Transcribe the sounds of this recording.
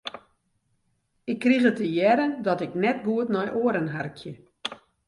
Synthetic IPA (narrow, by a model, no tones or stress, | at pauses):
ɪkːrixətəjɛɾəndɔtɪknɛt̚ɡuətnɔjʔoəɾənɦarkʰjə